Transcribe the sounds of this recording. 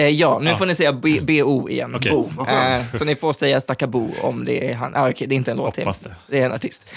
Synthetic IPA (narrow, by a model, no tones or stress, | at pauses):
jɑːnʉ̟ːfoːnɪsɛjːabbeːuːɪ̰jɛ̰nːbuːsɔnɪfoːɾsɛjːast̪akːabṵːɔ̰md̪ɛ̰æɾɦa̰nʔaːɔkʰɛd̪ɛɾɪnt̪əɛnloːtt̪ːʰɪd̪ɛːɾɛna̰ʈʰɪst̪